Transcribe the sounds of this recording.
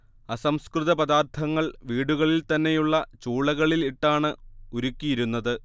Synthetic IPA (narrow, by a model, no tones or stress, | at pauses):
ɐsɐmskrɨðɐpɐðaːrt̪ʰɐŋːɐɭʋiːɽuɣɐɭilt̪ɐnːe̞juɭːɐt͡ɕuːɭɐɣɐɭiliʈːaːɳɨuɾukʲːijiɾunːɐðɨ